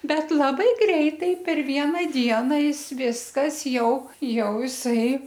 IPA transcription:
ˈbʲɛt lˠɐˈbɐɪ ˈɡrʲɛɪtɐɪ pʲɛr ˈʋʲiɛnɑː ˈdʲiɛnɐ ˈjɪs ˈʋʲɪskɐs ˈjɛʊ ˈjɛʊ jɪˈsɐɪ

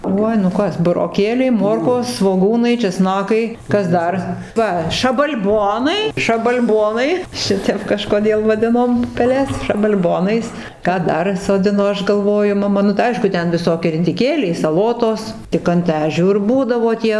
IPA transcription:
ˈuɔj nʊ ˈkɐs bʊroːˈkʲeːlʲɛɪ ˈmoːrkoːs sʋoːˈɡuːnɐɪ t͡ʃʲɛˈsnɑːkɐɪ ˈkɐs ˈdɐr ˈʋɐ ʃɐbɐlʲˈboːnɐɪ ʃɐbɐlʲˈboːnɐɪ ˈʃʲɪtʲɛp kɐʃkoːˈdʲeːlˠ ʋɐˈdʲɪnoːm pʊpʲɛˈlʲɛs ʃɐbɐlʲˈboːnɐɪs ˈkɑː ˈdɐr soːˈdʲɪnoː ˈɐʃ ɡɐlˠˈʋoːjʊ mɐˈmɐ nʊ tɐɪ ˈɐɪʃkʊ ˈtʲɛn ʋʲɪˈsoːkʲiɛ rʲɪdʲɪˈkʲeːlʲɛɪ sɐˈlˠoːtoːs tʲɪk ɐnt ˈæːʒʲuː ɪr ˈbuːdɐʋoː ˈtʲiɛ

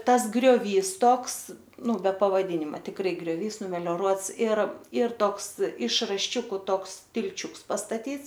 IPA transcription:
ˈtɐs ɡrʲoːˈʋʲiːs ˈtoːks ˈnʊ bʲɛ pɐʋɐˈdʲiːnʲɪmɐ tʲɪkˈrɐɪ ɡrʲoːˈʋʲiːs nʊmʲɛlʲoːˈruɔts ɪr ɪr ˈtoːks ɪʃ rɐʃʲˈt͡ʃʲʊkʊ ˈtoːks tʲɪlʲˈt͡ʃʲʊks pɐstɐtʲiːts

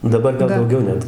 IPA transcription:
dɐˈbɐr ˈɡɐlˠ dɐʊˈɡʲɛʊ ˈnʲɛt

